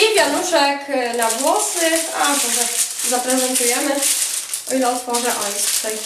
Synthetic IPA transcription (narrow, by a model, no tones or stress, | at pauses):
ivʲjanuʂɛkd̪aɡwɔsnɪxat̪ɔʐɛ | zapɾɛzɛnt̪ujɛmɘ | ɔilɛɔt̪fɔʐɛʔɔjssɛj